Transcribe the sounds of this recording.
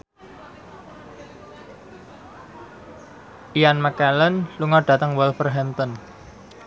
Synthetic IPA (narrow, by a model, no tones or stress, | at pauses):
ʔijanməkɛlənluŋɔɖ̥ä̤t̪əŋwəlfərɦɛmt̪ɔn